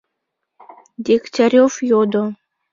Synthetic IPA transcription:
d̪ʲiktʲaɾʲofjod̪o

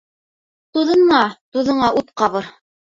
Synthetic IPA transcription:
t̪uðɤ̆ɴɴɑt̪uðɤ̆ɴɑʔut̪qɑβɤɾ

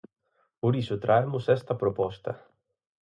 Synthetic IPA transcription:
poɾisʊt̪ɾʔaemʊsɛst̪ɐpɾopɔst̪ɐ̰

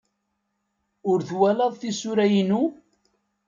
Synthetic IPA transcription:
ʊɾθwælɑðˤθisʊɾæjinu

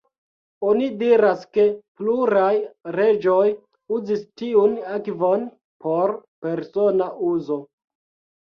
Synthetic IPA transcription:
onidiɾaske̞pluɾajɾe̞d͡ʒo̞j | uzistiunakvo̞n | pʰo̞ɾpe̞ɾso̞naʔuzo̞

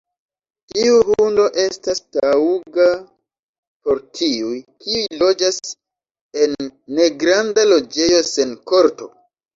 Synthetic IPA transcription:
tiuhundo̞ʔe̞stastauɡa | po̞ɾtʰiujkiujlo̞d͡ʒas | e̞nːe̞ɡɾandalo̞d͡ʒe̞jo̞se̞nko̞ɾto̰

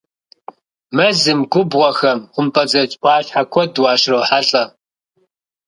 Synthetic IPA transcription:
mɐzɨmɡʷʊbʁʷɔxɐmχʷʊmpʰʼɐd͡zɐt͡ʃʼʷɑːɕħakʷʰɔdwɑːʃrɐwħaɬʼɐ

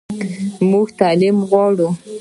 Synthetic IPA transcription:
muɡt̪alimɣwɑɽu

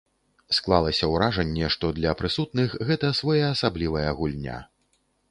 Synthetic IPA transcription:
sklˠalˠɐsʲɐwɾaʐɐnʲːɛʂt̪ɔd̪lʲɐpɾɨsut̪nɨxɣɛt̪ɐːsvɔjaːsablʲivɐjɐɣulʲnʲa̰

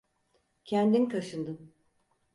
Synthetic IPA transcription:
cʰɛnd̪inkʰaʃɯnd̪ɯm

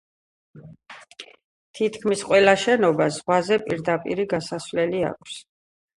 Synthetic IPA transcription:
t̪ʰit̪ʰkʰmisqʼwɛlaʃɛnɔbazʁwazɛpʼiɾd̪apʼḭɾiɡasaswlɛlia̰kʷʰs

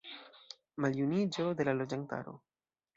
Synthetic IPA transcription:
maljunid͡ʒo̞d̪e̞lalo̞d͡ʒant̪a̰ɾo̰

